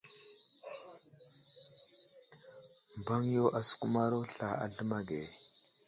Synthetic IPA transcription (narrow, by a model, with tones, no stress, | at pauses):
m˨ba˦ŋjo˦ʔa˨su̥˨ku˦ma˦ɾo˦ɬa˨a̰˨ɮə˦ma˦ɡe˨